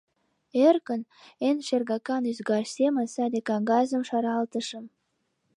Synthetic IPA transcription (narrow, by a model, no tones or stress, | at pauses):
erkə̆n | enʃerɡɑkɑnyzɡɑrsʲemɑsɑd̪ʲekɑŋɡɑzə̆mʃɑɾɑlt̪ə̆ʃə̆m